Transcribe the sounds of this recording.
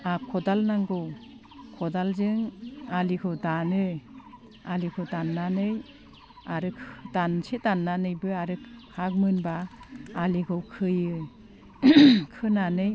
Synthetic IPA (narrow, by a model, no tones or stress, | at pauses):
akʰɔdalnaŋɡɯw | kʰɔdalzɯŋalikʰɯwdanɯ | alikʰɯdanːanɯj | aɾɯkʰdansedanːanɯjbɯaɾɯkhak̚mɯnbaː | likʰɯwkʰɯjɯ | kʰɯnanɯj